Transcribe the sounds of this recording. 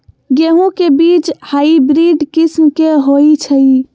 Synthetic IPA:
ɡeːɦõkebiːt͡ʃhaːibɾiːɖkɪsmkeɦoit͡ʃʰəi

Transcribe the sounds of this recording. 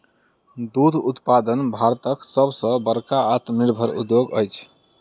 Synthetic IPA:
d̪ud̪ʱut̪pad̪ənbʱaɾt̪əksəbʱsə̃bəɾkaːt̪niɾbʱəɾṵd̪joɡə̰jt͡ʃʰ

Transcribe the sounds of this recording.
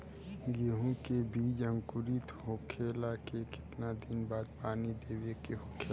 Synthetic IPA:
ɡeɦũkebʱiːd͡ʒə̃ŋkʊɾit̪hoːkʰeːlakekɪ̥t̪nad̪ɪnbaːd̪̚paːnid̪eːwekeɦokʰeː

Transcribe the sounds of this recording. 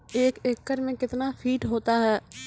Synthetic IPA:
eːkeːkːəɾmẽkɪt̪nafʰiːʈɦoːt̪aɦɛː

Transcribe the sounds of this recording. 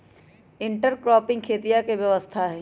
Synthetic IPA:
ɪɳʈəɾkɾɔːpɪ̃ŋɡ̚kʰeːt̪ijakeʋjɐʋəst̪ʰaɦɛː

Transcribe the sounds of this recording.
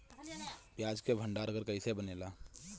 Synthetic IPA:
pjaːd͡ʒkebʱəɳɖaːɾəɡəɾkəisebəneːlaː

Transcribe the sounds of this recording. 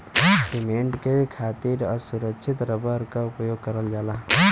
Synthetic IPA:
simeɳʈkekʰaːt̪iɾɔːɾsuɾəkʃʰɪt̪ɾəbəɾkaʊpjoːɡ̚kəɾəld͡ʒaːlaː

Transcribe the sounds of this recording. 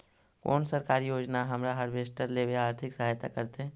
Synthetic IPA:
ko̰ːnsəɾkaːɾijoːd͡ʒnaɦɐmɾaɦɐɾʋeːsʈəɾleʋeaːɾt̪ʰɪksɐɦaːjt̪a̰kəɾt̪ɦɛ̃ː

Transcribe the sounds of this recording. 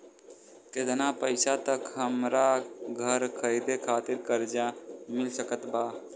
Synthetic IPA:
ket̪napəɪsat̪əkɦəmɾaɡʱəɾkʰəjd̪ekʰat̪iɾkəɾd͡ʒamɪlsəkət̪ba

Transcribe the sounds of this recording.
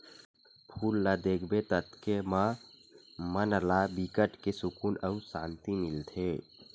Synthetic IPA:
pʰuːlːad̪ekʰbet̪ət̪kema | mənəlabikəʈkesukunəusãːnt̪imilt̪ʰe

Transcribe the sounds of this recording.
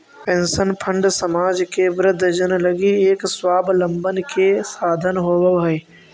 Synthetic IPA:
pẽːnsənpʰɐ̃ɳɖsɐmaːd͡ʒkebɾəd̪ʱd͡ʒən̆lɐɡieːkswaːblɐ̃mbənɪ̆kʰesaːd̪ʱənɦoːʋəɦɛ

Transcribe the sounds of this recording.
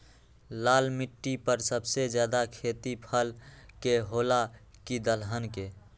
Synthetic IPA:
laːlmiʈːipəɾsəbsed͡ʒjaːd̪akʰeːt̪ipʰəlkeɦoːlakid̪əlɦənke

